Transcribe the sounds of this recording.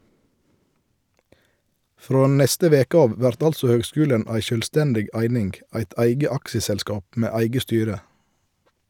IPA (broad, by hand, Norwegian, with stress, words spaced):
ˈfɾoː ˈnɛstə ˈʋeːkə ˈɑːʋ ˈʋæɾt ˈɑlsɔ ˈhøːɡˌskʉːlən ˈæɪ ʃœlˈstɛndɪɡ ˈæɪnɪŋɡ ˈæɪt ˈæɪɡə ˈɑkʃəsɛlˌskɑːp ˈmeː ˈæɪɡə ˈstyːɾə